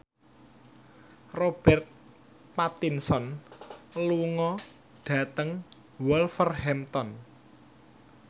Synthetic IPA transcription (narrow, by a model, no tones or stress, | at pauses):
rob̥ɛrt̪̚ | pat̪insɔn | luŋɔ | ɖ̥ä̤t̪əŋ | wɔlfərhɛmt̪ɔn